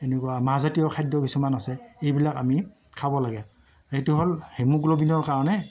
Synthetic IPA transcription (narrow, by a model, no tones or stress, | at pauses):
enɛkɔwamaɦazatiɔkʰajdɔkisumanasɛejbilakami | kʰabɔlaɡɛ | hejtuɦolhemuklobinɔɹkaɹɔnɛ